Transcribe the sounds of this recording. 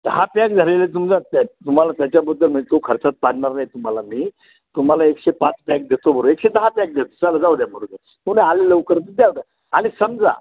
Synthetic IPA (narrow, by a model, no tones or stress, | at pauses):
d̪̥əɦapak̚d͡z̪ʱəɾelet̪̬umd͡zat̪at̪um̤alat̪jat͡ɕabəd̪ʱːəlməɳd͡zet̪okʰəɾt͡sat̪̚paɽɳaɾnajt̪um̤alaniː | t̪um̤alaekɕepat͡spjak̚d̪et̪obʱəɾuekɕed̪əɦapjak̚d̪et̪ot͡salad͡zaʋd̪jam̤əɽud̪a | t̪umnealeləʋkəɾt̪əd̪jaʋd̪ja | añisəmd͡za̰